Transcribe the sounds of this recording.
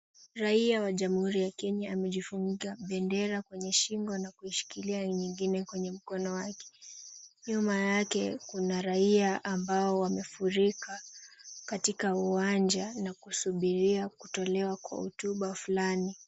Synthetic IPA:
ɾaiawaʄamuhuɾijakɛɲaamɛʄifuŋɡiaɓɛndɛɾakwɛɲɛʃiŋɡɔnakuiʃi̥kiliaɲiŋɡinɛkwɛɲɛm̩kɔnɔwakɛ̥ɲuɔmajakɛkunaɾaiaʔambaɔwamɛfuɾikakatikauwand͡ʒanakusuɓiɾiakutɔlɛwakwa̰hṵtuɓafulani

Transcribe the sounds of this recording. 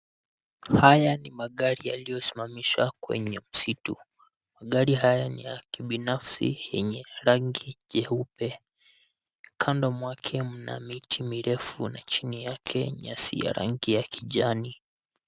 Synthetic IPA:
hajanimaɠaɾija̰lijɔsi̥mamiʃwakwɛ̰ɲɛm̩situ | maɠaɾiɦajanijakiɓinafsḭjɛɲɛɾaŋɡiʄɛupɛ | kʰandɔmwakʰɛm̩na̰mitʰimiɾɛfunat͡ʃinijakʰɛɲasḭja̰ɾa̰ŋɡijakiʄani

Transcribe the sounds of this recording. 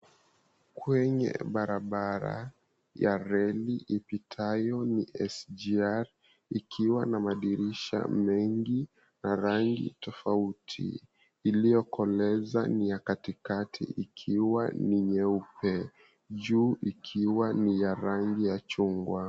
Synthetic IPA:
kʰwɛɲɛ̰ɓaɾaɓaɾa̰ | jaɾɛliʔipitʰajɔniʔɛsd͡ʒiaɾ | ikʰiwanamaɗiɾiʃa̰mɛŋɡi | naɾaŋɡḭtɔfautʰḭː | lijɔkʰɔlɛza̰nijakatikatʰḭʔikʰiwaniɲɛupɛ | ʄuːʔikʰiwanijaɾaŋɡijat͡ʃuŋɡwa

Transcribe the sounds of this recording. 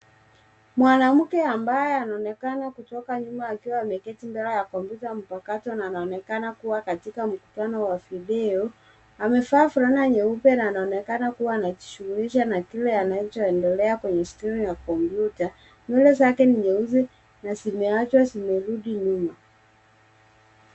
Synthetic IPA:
mwanam̩kɛambajɛanaɔnɛkanakutɔkaɲumaːkiwaːmɛkɛtimbɛlajakɔmpjutam̩pakatɔnaːnaɔnɛkanakuwakatikam̩ku̥tanɔwaviɗɛɔ | amɛfaːfuɾanaɲɛupɛnaːnaɔnɛkanakuwaːnat͡ʃi̥ʃuɣuliʃanakilɛanaɔt͡ʃɔɛndɛlɛakwɛɲɛstɾimjakɔmpjuta | mɛlɛzakɛniɲɛuzɛ | nazimɛat͡ʃwasimɛɾuɗiɲuma

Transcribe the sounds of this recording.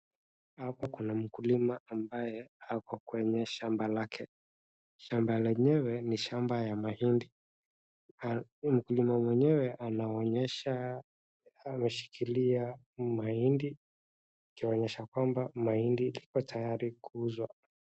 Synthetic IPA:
hapakunam̩kulimaːmbajɛhakwɔkwɛɲɛʃambalakʰɛ | ʃambalɛɲɛwɛniʃambajamahindi | m̩kulimamwɛɲɛwɛʔanaɔɲɛʃaː | mɛʃi̥kʰilia | mahindi | kiɔɲɛʃakwambamahindilikɔtʰajaɾikuuzwa

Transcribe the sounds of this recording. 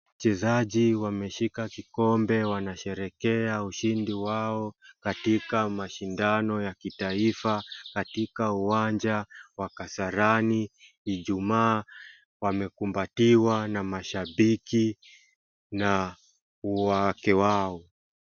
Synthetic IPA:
at͡ʃɛzaʄiwamɛʃikakikɔmbɛwanaʃɛɾɛkɛauʃindiwaɔkatikamaʃindanɔjakitaifakatikauwand͡ʒawakasaɾani | iʄumaː | wamɛkumbatiwanamaʃaɓiki | na | uwakɛwaɔ

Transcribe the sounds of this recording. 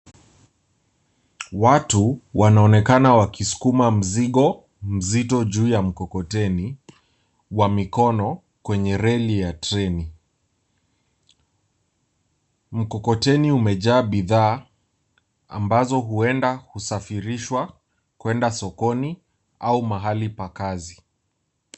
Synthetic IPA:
watuwanaɔnɛkanawakisu̥kumam̩ziɠɔ | m̩zitɔʄuːjam̩kɔkɔtɛni | wamikɔnɔ | kwɛɲɛɾɛlijatɾɛni | m̩kɔkɔtɛniumɛʄaːɓiðaː | a̰mbazɔɦuɛndahusafiɾiʃwa | kwɛndasɔkɔni | aumaɦalipakazi

